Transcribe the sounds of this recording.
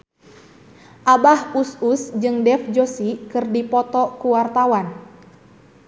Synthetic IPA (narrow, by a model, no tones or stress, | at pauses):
ʔabahususd͡ʒɨŋdɛfd͡ʒosikɨrdipɔt̪ɔkuwart̪awan